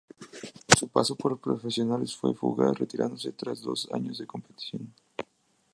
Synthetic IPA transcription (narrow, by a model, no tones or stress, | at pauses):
supasopoɾpɾofesjo̞nalesfwḛfṵɣa̰ret̪iɾa̰nd̪oset̪ɾazðo̞sa̰ɲozðeko̞mpet̪i̥sjon